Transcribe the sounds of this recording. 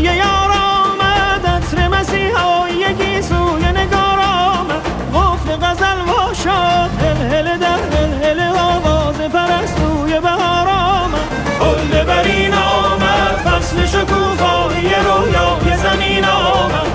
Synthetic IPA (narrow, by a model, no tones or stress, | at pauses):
jejɒːɾɔːmæd̪æsɾemæsiːhɑːjjekʰiːsuːjeneɡɒːɾɒːmæd̪ | ɡofd̪eɣæzælvɒːʃɒːt̪helheled̪æɾhelɦeleɒːvɒːzepʰæɾæst̪uːjebæhɒːɾɒːmæd̪ | hold̪ebæɾiːnɒːmæd̪bæsleʃokʰuːfɒːijeɾuːjɒːjezæmiːnɒːmæ̥